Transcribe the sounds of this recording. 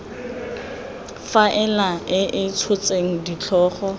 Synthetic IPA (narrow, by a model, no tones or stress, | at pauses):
faʔɛlaɪʔɪt͡sʰʊt͡sʼeŋ̩dit͡ɬʰɔːχɔ